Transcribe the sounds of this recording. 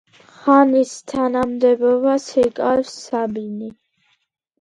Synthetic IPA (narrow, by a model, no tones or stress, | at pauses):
χanist̪ʰanamd̪ɛbɔbasikʼaɾvsabini